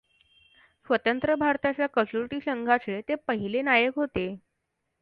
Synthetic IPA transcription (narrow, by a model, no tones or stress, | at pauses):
sʋət̪ənt̪ɾəbʱaɾt̪at͡ɕjakəsuɾʈiːsəŋɡʱat͡set̪epəɦilenajəkɦot̪e